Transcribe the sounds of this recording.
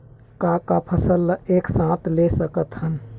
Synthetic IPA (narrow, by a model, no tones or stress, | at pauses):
kakapʰəsəlːeːksãt̪lesəkət̪ɦən